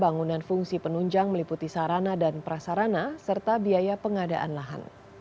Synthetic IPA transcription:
baŋunanfuŋsipənuɲd͡ʒaŋməliput̪isaɾanadanpəɾasaɾanasərt̪abiajapəŋada̰ʔa̰nlaɦa̰n

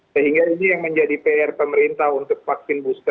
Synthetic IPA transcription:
səɦiŋɡainijaŋməɲd͡ʒadipeɛrpəməɾint̪ahunt̪ʊk̚faksɪnbust̪a

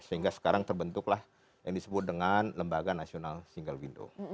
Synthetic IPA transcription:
səiŋɡasə̥kaɾaŋt̪ərbənt̪ʊklah | jaŋdisəbʊt̪̚dəŋanləmbaɡanasionalsiŋɡəlwindo̰

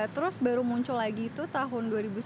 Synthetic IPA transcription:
t̪əɾʊsbaɾumuɲt͡ʃʊlaɡiːt̪ut̪aɦʊnduaɾibus

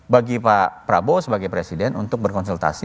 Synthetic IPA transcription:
baɡipapɾabosəbaɡajpɾesidɛnṵnt̪ʊk̚bərkɔnsult̪a̰si

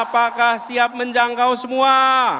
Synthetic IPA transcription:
pakahsiap̚məɲd͡ʒaŋkawsəmua

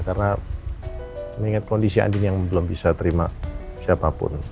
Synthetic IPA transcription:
karna | məŋiŋat̪̚kondisia̰ndd͡ʒinjaŋbəlʊmbisat̪əɾimasiapapʊ̰n

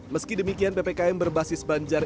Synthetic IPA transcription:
məskidəmikianpepekaɛmbərbasɪsbaɲd͡ʒar

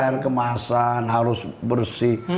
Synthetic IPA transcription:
ɛrkəmasanɦaɾʊsbərsi

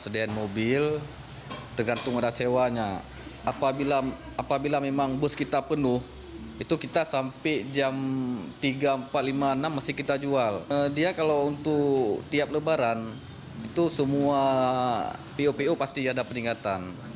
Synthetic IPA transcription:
sədaanmobɪl | t̪ərɡant̪ʊŋadasewaɲa | apabila | apabilamemaŋbʊskit̪apənʊh | it̪ukit̪asampɛʔd͡ʒamt̪iɡaəmpat̪̚limaənamːasɪhkit̪ad͡ʒualdiakalawunt̪ʊkt̪iap̚ləbaɾan | it̪usəmua | peupeupast̪iadapəniŋkat̪an

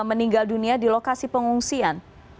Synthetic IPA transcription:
məniŋɡalduniadilokasipəŋuŋsian

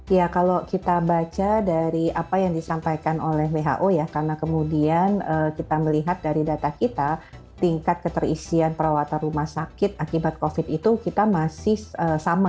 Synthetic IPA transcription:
jakalokit̪abat͡ʃadaɾiapajaŋdisampajkanolɛɦweɦa̰ʔojakarnakəmudianəkit̪aməliɦat̪̚daɾidat̪akit̪a | t̪iŋkat̪̚kət̪ərisianpəɾawat̪anrumahsakɪt̪̚akibat̪̚kofɪt̪it̪ukit̪amasɪhəsama

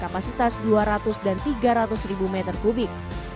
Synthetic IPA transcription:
kapasit̪asduaɾat̪ʊsdant̪iɡaɾat̪ʊsribumɛt̪ərkubɪk̚

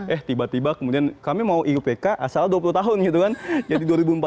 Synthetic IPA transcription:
ʔɛht̪ibat̪ibakəmudiankamimauʔiupekaʔasaladuap̬uluht̪aɦʊnɡit̪ukand͡ʒadiduaɾibumpa

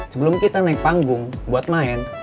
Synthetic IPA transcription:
səbəlʊmkit̪ənɛŋpaŋɡʊŋbuat̪̚maɛn

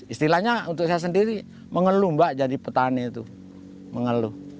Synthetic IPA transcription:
ist̪ilahɲaunt̪ʊks̬ajas̬əndiɾi | məŋəlumbaʔd͡ʒadipət̪anɛt̪u | məŋəlu

